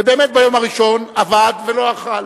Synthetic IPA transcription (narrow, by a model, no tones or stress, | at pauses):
ebe̞ːmet̪̚bajo̞maʁiʃo̞navad̪velo̞aχal